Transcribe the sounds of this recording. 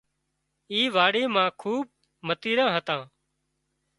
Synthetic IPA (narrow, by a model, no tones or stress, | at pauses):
iːʋaːɽeːmãːkʰuːb̚ | mət̪iːɾãːɦət̪ãː